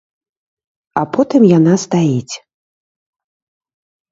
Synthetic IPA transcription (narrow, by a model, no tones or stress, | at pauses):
apɔt̪ɨmjanast̪ajit͡sʲ